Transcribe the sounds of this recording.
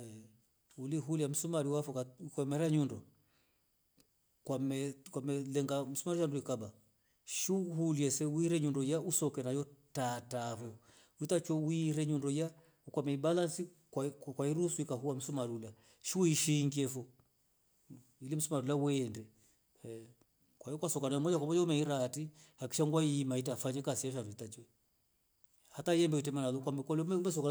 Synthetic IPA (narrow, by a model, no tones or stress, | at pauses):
uliɦuliam̩sumaɾiwafɔkakɔmɛɾaɲundɔ | kwamɛkwamɛlɛŋɡam̩sumaɾiʃanduikaba | ʃihuliɛsɛwiɾɛɲundɔjausɔkɛnajɔtatafɔ | utat͡ʃɔwiɾɛɲundɔja | ukamɛibalansi | kwakwaiɾusuikaɦuwam̩sumaɾula | ʃiuiʃiŋɡiɛfɔ | ilim̩sumaɾulawɛndɛ | kwaiɔkwasɔkanajɔmɔd͡ʒakamɔd͡ʒɔumɛiɾatihaki̥ʃaŋɡwaimaitafaɲɛkasiaʃ̬aɾuitat͡ʃwɛ | hataiɛmbɛitɛmanalukamkwalmɛumɛs̬ɔka